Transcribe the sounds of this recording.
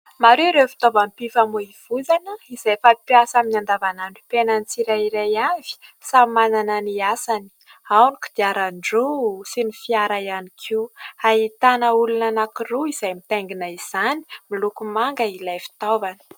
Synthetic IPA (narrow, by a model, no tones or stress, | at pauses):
maɾeɾeufi̥t̪ovampifamuiv̥ud͡zanəizejfapjasaminand̪avanani̥penant͡siɾaiɾajavi̥samanananiasani̥ | awniki̥d̪iaɾaɳɖ͡ʐusinifiaɾajanikʰiuait̪anəulunanakiruiz̥ajmit̪eŋɡinaiz̥ani̥milukumaŋɡəilajfi̥t̪ovanə̥